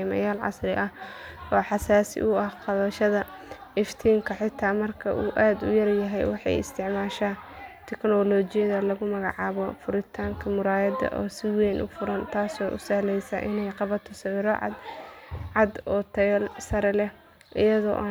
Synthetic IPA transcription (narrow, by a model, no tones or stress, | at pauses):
mɐ̰jaːlʕɑ̰srɪʔɐhɔːħɑsaːsɪ̰ʔʊɐhqɑβɐʃɐðɐ | ɛft̪ʰiːŋkʰɐħɪt̪ʰːaːmɐrkʰɐʔuːʔaːd̪ʊjɐrjɐɦɛjwɑħɑ̰jɪ̰st̪ʰɪʕmaːʃaːt̪ʰɛknɔlɔːt͡ʃɪjɐðɐlɐɣʊmɐɣɑ̰ʕɑːβɔfʊɾɪt̪ʰaːŋkʰɐmʊɾaːjɐd̪ɐ̰ʔɔ̰ːsɪwɛːnʔʊ̰fʊɾɐnt̪ʰaːsɔːʔʊ̰sɐːlɛjsɐ̰ʔɪnɛjqɑβɐt̪ʰɔsɐwɪɾɔʕɑ̰d̪ʕɑd̪ɔːt̪ʰɐsɐɾɛlɛ | ʔɪjɐðɔ̰ʔ